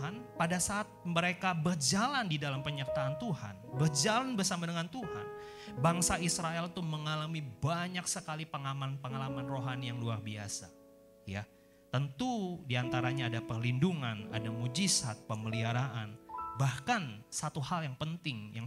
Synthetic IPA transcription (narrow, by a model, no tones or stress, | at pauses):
anpadasaʔːt̪̚məɾekabərd͡ʒalandidalampəɲər̚t̪aːnt̪uha̰nbərd͡ʒalanbərsamadəŋant̪uha̰n | baŋsaisɾaɛlt̪uməŋalamibaɲaksəkalipəŋamanpəŋalamanroɦanijaŋluarbiasa | ja | t̪ənt̪udiant̪aɾaɲaːdapərlinduŋana̰damud͡ʒisat̪̚pəməliaɾaʔanbahkansat̪uhaljaŋpənt̪ɪŋjaŋ